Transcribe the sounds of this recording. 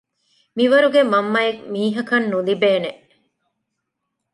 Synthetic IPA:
miʋɐɾuɡemɐmːɐjekmiːɦɐkɐnːulibeːneʔ

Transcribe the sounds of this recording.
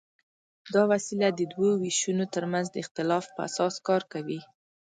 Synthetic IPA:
d̪ɑwasilad̪əd̪wowiʃunot̪əɾmanzd̪əɪxt̪ɪlɑfpəa̰sɑskɑɾkawi

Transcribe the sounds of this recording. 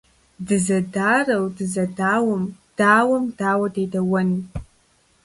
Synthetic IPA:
dɨzɐdaːrɐwdɨzɐdaːwəmd̥aːwɐmd̥aːwɐdeːdɐwɐn

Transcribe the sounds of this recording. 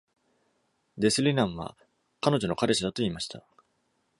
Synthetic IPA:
d̪e̞sɨɾʲinãɰ̃βa̰ | kano̞ʑo̞no̞kaɾe̞ɕid̪at̪o̞iːmaɕi̥t̪a

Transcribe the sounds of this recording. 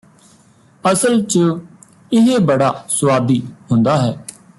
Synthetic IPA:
əsəlt͡ʃə | ɪɦebəɽaːsʊʋaːd̪iːɦʊ̃nd̪aːɦɛː

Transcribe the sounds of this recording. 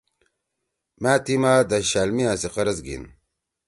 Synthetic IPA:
maːt̪imaːd̪aɕaːlmiãːsiqɐɾɐzɡḭn

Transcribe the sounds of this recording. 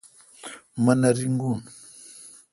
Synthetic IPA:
manaɾiŋɡun

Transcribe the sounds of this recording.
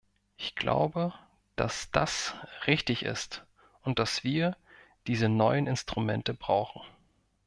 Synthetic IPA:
ʔɪçɡ̥lʔa̰ʊbə | d̥a̰sd̥a̰sʁɪçtɪçɪ̰st | ʔʊnt̚d̥asv̥iːɐ | d̥iːzənɔʏənɪnstʁ̥umɛntəbʁa̰ʊxn̩

